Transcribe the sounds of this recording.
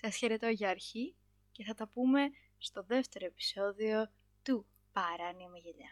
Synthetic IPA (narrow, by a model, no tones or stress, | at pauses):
sɐsçe̞ɾe̞t̪o̞ʝɐːɾçi | ce̞θɐt̪ɐpume̞ | st̪o̞ðe̞ft̪e̞ɾo̞epi̥so̞ðio̞ | t̪u | pɐɾɐniɐmeʝeʎɐ